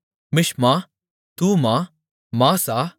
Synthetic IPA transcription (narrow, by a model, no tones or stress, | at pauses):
mɪʃmãː | t̪uːmãː | mãːsaː